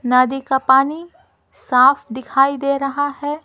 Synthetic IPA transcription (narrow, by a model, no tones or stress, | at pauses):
naːd̪ikapaːni | saːfʰd̪ɪkʰaːid̪eːɾɐɦaɦɛː